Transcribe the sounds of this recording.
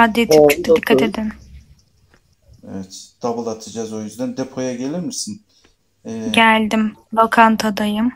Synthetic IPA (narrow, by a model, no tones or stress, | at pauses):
ad̪et̪ʰimt͡ʃʰok̚d̪ʰɛd̪ikʰːat̪e̞d̪in | evɛt̪d̪̥abɯlˠat̪ʰɯd͡ʒazo̞jyzd̪ænd̪epʰo̞jaɡe̞lʲiɾmisin | ɛɟælʲd̪ɪmd̪okʰant̪ʰad̪ajɯm